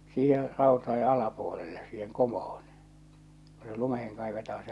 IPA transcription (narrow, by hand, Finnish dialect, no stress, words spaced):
siːher̆ rɑˑotɑe ɑlɑpuolelːe siːheŋ komohon̞ ko se lumeheŋ kɑiʋetɑː se